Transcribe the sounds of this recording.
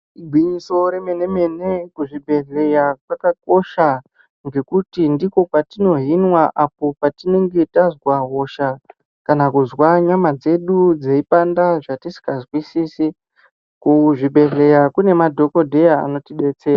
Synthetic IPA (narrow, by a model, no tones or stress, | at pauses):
iɡʱwiɲiso̞ɾeme̞ne̞me̞nekuʐibʱe̞ɮe̞jakwakak̚o̞ʃa | ŋɡe̞kutindiko̞patino̞ɦinwaʔap̚o̞patine̞ŋɡe̞tazwaɦo̞ʃa | kanakuzwaɲamad͡ze̞ɗud͡zeipandaʐatisi̥kazwisisi | kuʐibʱe̞ɮe̞jakune̞madʱo̞ko̞dʱeja̰ːno̞tiɗe̞t͡se̞ːra